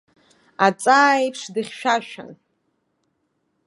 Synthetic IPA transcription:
at͡sʼaːjpʰʂdɨχʲʃᶣaʃᶣa̰n

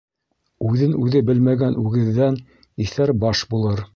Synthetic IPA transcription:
ʉðɘnʉðɘbɘlmæɡænʉɡɘ̆ðːæn | iθæɾbɑʃbulˠɤɾ

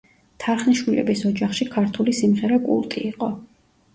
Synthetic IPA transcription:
t̪ʰaɾχniʃwilɛ̰bisɔd͡ʒaχʃikʰaɾt̪ʰulisimʁɛɾɛkʼṵlˠt̪ʼḭiqʼɔ

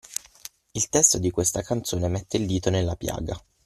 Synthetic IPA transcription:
ilt̪ɛst̪od̪ikwest̪akant̪soːnemɛt̪ːeild̪iːt̪onelːapja̰ːɡa

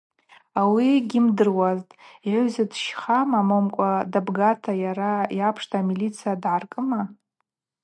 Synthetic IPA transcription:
awiɡʲimdɨrwaztʼiʕʷʊzadʃχamamomkʷʼadabɡatʰajaɾajapʰʂtʰaamilit͡sʰijadʕarkʼɨma

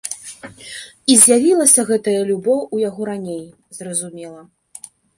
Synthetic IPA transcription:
izʲjavʲilˠɐsʲɐɣɛt̪ɐjɐlʲubɔwujaɣɔɾanʲej | zrɐzumʲɛlˠɐ

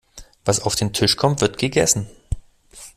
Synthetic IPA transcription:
vasaʊfd̥eːntʰɪʃkʰɔmtv̥ɪɐtɡ̥əɡɛsn̩

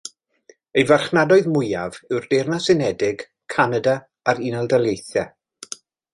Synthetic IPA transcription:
əjvarχnadɔɨðmʊjavɪwrdejrnasɪnɛdɪɡ̥ | kʰanada | aɾinalˠdalˠjejθja

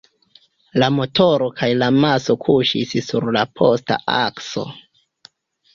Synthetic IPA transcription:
lamo̞tʰo̞ɾo̞kʰajlamaso̞kʰuʃissuɾlapʰo̞sta̰ʔa̰kso̞̰

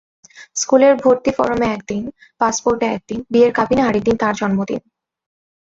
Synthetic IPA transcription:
skuleɾbʱoɾt̪ifɔ̰ɾomeɛkd̪in | paspoɾʈeɛk̚d̪inbieɾkabineɦaɾid̪int̪aɾd͡ʑɔnmod̪ḭn

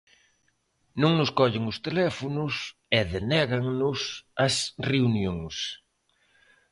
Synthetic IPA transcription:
nõŋnʊskɔʎɪŋʊst̪elɛfonʊs | ɛðenɛɣɐŋnʊsɐsreunjõŋs

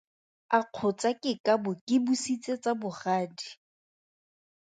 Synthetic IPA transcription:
aq͡χʰʊt͡sakʼɪkʼabʊkʼɪbusit͡sʼet͡sʼabʊχaːdi

